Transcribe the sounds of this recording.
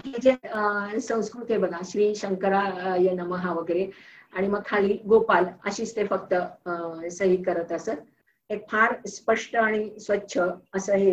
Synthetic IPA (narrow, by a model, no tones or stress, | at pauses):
ɦid͡ʑesə̃w̃skɾut̪ɦebəɡaɕɾiːɕəŋkəɾajənəməɦaʋəɡəɾeaɽ̃iməɡ̚kʰaliːɡopalə̰ɕiːst̪efək̚t̪ə | səɦikəɾət̪əsə | ek̚fʰaɾspəʂʈəaɽ̃isʋətːɕʰəːsəɦe